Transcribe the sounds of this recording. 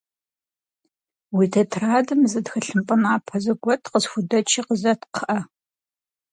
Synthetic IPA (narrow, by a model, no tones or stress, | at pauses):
wiːtʰɐtʰraːdɨmzɐdxɐɬɨmpʼɨnaːpʰɐzɨɡʷɔtʰqəsxʷʊdɐt͡ʃʰiːqəzɐtqʰəʔɐ